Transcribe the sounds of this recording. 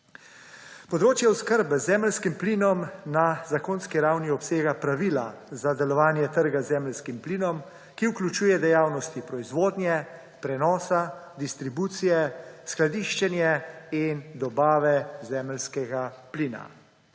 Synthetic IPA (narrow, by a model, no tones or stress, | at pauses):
pɔd̪ɾoːt͡ʃjɛuskəɾbɛzɛməlskimpliːnɔmnazakonskiɾawniɔpseːɡapɾaʋiːlazad̪ɛlɔʋaːnjɛt̪əɾɡazɛmɛlskimpliːnɔm | kiuklʲut͡ʃuːjɛd̪ɛjaːwnɔst̪ipɾɔizʋoːd̪nʲjɛ | pɾɛnɔːsad̪ist̪ɾibuːt̪sijɛsklad̪iːʃt͡ʃɛnjɛind̪ɔbaːʋɛzɛːməlskɛɡapliːna̰